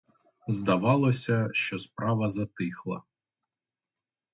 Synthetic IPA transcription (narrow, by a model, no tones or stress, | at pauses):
zd̪ɐʋɑlˠɔsʲɐʃt͡ʃɔspɾɑʋɐzɐt̪ɪxlˠɐ̰